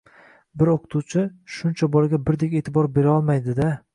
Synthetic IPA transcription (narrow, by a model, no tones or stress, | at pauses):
bɪɾoqʰɨ̥t̪ʰuwt͡ʃʰɪʃʊnt͡ʃʰabɒlˠaɡʲabɪɾd̪ekʲe̞ːt̪ʰɪbɒɾbe̞ɾaɒlˠmajd̪ɪd̪a